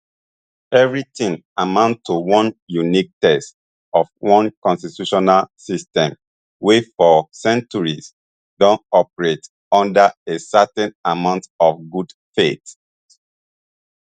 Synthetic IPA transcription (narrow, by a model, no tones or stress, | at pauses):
ɛvɹitĩŋ | amãʊ̃nttːuwɔ̃njunik̚tɛst | ɔfwɔ̃nkɔ̃nstitjuʃɔnalsistɛ̃m | wefɔsɛ̃nt͡ʃuɹis | dɔ̃nɔpɹet | ɔ̃ndəesatɛ̃namãʊ̃ntɔfɡudfet